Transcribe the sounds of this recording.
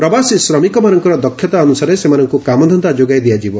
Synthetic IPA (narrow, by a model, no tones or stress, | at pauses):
pɾɔbasisɾɔmikɔmanɔŋkɔɾɔd̪ɔkʰːjɔt̪aɔnusaɾesemanɔŋkukamɔd̪ʱɔnd̪ad͡ʒoɡajd̪iad͡ʒibɔ